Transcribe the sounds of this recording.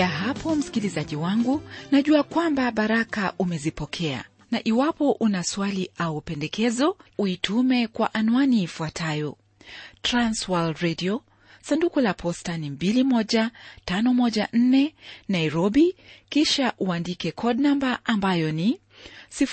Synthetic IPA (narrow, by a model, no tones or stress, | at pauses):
aɦapɔm̩si̥kilizaʄiwaŋɡunaʄuakwambaɓaɾakaʔumɛzipɔkʰɛa̰ | naʔiwapɔʔunaswaliʔaupɛndɛkɛzɔuitʰumɛkwaʔanuaniːfuatʰajɔ | tɾanswalɾɛdiɔ | sandukulapʰɔstanimbilimɔʄatanɔmɔʄan̩nɛnaiɾɔɓikiʃaʔuandikɛkʰɔdnambaʔambajɔni | si